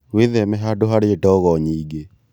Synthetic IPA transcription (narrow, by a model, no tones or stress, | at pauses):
weðɛmɛɦadoɦaɾeedɔɣɔɲiːɡe